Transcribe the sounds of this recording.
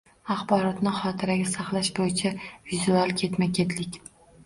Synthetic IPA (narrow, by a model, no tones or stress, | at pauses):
aχbɒɾɒt̪nɪχɒt̪ʰɪɾaɡʲasaχlˠaʃbojɪt͡ʃʰavizualˠkʲʰe̞t̪makʲʰe̞t̪lɪkʲ